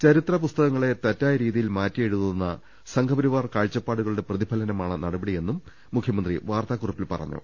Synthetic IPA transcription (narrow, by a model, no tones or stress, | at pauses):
t͡ɕɐɾit̪rɐpust̪ɐɣɐŋːɐɭe̞t̪ɐtːaːjɐɾiːðijilmaːtːieɻuðunːɐ | sɐŋkʰɐbɐɾiʋaːrkaːɻt͡ɕːɐpːaːɽuɣɐɭuɽe̞prɐðibʱɐlɐnɐmaːɳɨnɐɽɐbɐɽije̞nːumː | ukʰjɐmɐnd̪riʋaːrt̪aːkurɐpːilpɐ̰rɐ̰ɲːṵ